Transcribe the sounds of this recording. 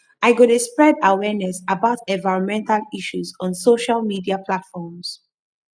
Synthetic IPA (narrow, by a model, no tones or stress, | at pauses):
aɪɡɔɾəspɹɛdawɛnɛsabaʊtɛ̃nvaɪɹɔ̃nmɛ̃ntaliʃuzɔ̃nsoʃalmidiapʰlatfɔms